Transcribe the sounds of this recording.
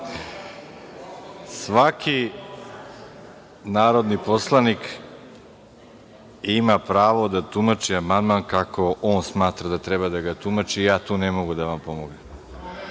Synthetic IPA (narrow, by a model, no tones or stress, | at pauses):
sʋakʰi | naːɾod̪niposlˠanik | imapɾaːʋo̞d̪at̪umat͡ʃiamand̪mankako̞ʔoːnsmaːt̪ɾad̪at̪ɾebad̪aɡat̪umat͡ʃiːjaːt̪uːnemoɡud̪aʋampo̞moɡne